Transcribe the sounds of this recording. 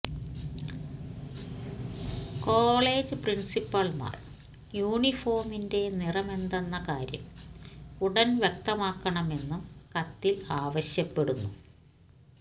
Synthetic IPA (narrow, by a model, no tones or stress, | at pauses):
koːɭe̞ːd͡ʑɨprinsipːɐɭma̰ːr | juːɳifo̞ːrminde̞nirɐme̞nd̪ɐnːɐkaːɾjɐ̰m | uɽɐnʋjek̚t̪ɐmaːkːɐɳɐme̞nːumkɐt̪ːilaːʋɐɕjɐpːe̞ɽunːu